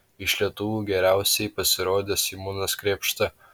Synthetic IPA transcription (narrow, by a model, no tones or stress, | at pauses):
ɪʃlʲiɛt̪ʊʋuːɡʲɛɾʲæˑʊsʲɛɪpɐsʲɪɾoːd̪ʲeːsimuːnɐskɾʲeːpʃt̪ɐ